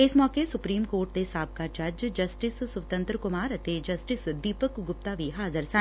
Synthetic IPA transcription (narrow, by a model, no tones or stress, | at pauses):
ɪsmɔːkesʊpɾiːmkoːɾʈ̚d̪esaːb̚kat͡ʃɐd͡ʒd͡ʒɐsʈɪsːʊʋt̪ə̃nt̪ɾəkʊmaːɾɐt̪ed͡ʒɐsʈɪsd̪iːpəkɡʊp̚t̪aʋiɦaːzəɾsã